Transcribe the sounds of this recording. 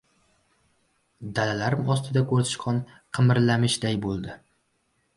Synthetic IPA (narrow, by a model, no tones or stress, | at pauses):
d̪alalaɾɪmɒst̪ʰɪd̪akʰɵɾzɪʃqʰɒn | qʰɨmɪɾlamɪʃd̪ajbolˠd̪ɪ